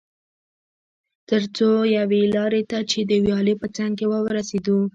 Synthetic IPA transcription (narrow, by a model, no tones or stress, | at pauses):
t̪əɾt͡sojawelɑɾet̪at͡ʃed̪əwjɑlipət͡saŋɡkewəwɾased̪u